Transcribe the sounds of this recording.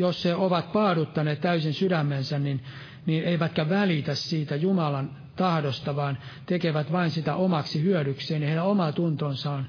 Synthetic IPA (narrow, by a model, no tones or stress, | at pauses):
josheoʋɑt̪̚pɑːdut̪ːɑneːt̪t̪æysinsydæmːensænnin | niːneiʋæt̪kæʋælit̪æssiːt̪æjumɑlɑn | t̪ɑhdost̪ɑʋɑːn | t̪ekeʋæt̪ʋɑinsit̪æʔomɑksihyœɾykseːniheiɾæomɑt̪unt̪onsɑːn